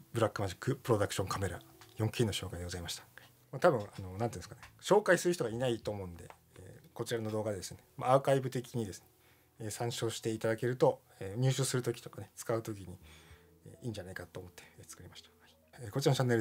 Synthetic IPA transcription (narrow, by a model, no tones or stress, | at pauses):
bɯ̟ɾakːɯ̟maʑikːɯ̟pɯɾo̞d̪akɯ̟̥ɕõ̞ŋkʰame̞ɾa̰jõŋkʲinːoɕo̞ːkaid̪eɡo̞zaimaɕi̥t̪ḁ | mat̪abɯ̟̃ano̞nãnt̪iɯ̃nsɨ̥kaneɕo̞ːkaisɨɾɯ̟çi̥t̪oɡainait̪o̞ːmo̞ɯ̃nd̪e̞̰ː | ko̞t͡ɕiɾano̞d̪o̞ːɡad̪e̞d̪esɨne̞ma̰akaibɯ̟t̪e̞kʲiɲ̟id̪e̞sɨ̥neː | sãɰ̃ɕo̞ːɕi̥t̪e̞it̪ad̪ake̞ɾɯ̟t̪o̞ | eɲ̟ɨːɕoːsɨɾɯ̟t̪o̞kʲi̥t̪o̞kane̞t͡sɨ̥kaɯ̟t̪o̞k̬ʲiɲ̟i | ḛːiːɲ̟d͡ʑanaikat̪ːoːmo̞t̪ːe̞̥eːt͡sɨ̥kɯ̟ɾʲimaɕi̥t̪ḁhi | eːkot͡ɕiɾant͡ɕanːe̞ɾ